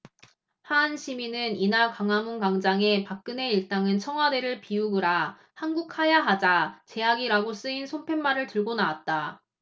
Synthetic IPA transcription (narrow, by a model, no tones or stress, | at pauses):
hanɕʰiminɯninaɭkaŋɦamunkaŋd͡ʑaŋe̞pak̚k͈ɯne̞iɭt͈aŋɯnt͡ɕʰʌŋɦwade̞ɾɯɭpiuɡɯɾa | hanɡukʰajaɦad͡ʑat͡ɕe̞aɡiɾaɡos͈ɯinsʰompʰe̞nmaɾɯɭtɯɭɡonaat̚t͈a